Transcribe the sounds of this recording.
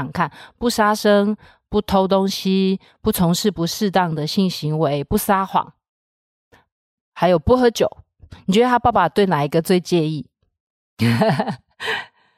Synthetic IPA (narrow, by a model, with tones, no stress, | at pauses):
ŋkʰa˥˨npu˥˩ʂa˥ʂə˦˥ŋ | pu˥˩t̪ʰo˥ʊt̪o˦ŋɕi˦ | pu˥˩t͡sʰʊ˧˥ŋʂɻ̩˥˩pu˨˥ʂɻ̩˥˧t̪ɑ˥˨ŋd̪ə˨ɕi˥˩nɕi˧˥ŋwe˧˦ɪpu˥˩sa˥xwɑ̰˨˩˦ŋ | ha˧˥ɪjo˨˩ʊpu˥˩xə˧˦t͡ɕjo˨˩ʊ | ni˨˩ɥwɛ˧˦d̪ə˧a˥pa˥˧˩ba˨˩t̪we˥˩ɪna˨˩i˧˥ɡə˨t͡swe˥˧ɪt͡ɕjɛ˥˧i˥˩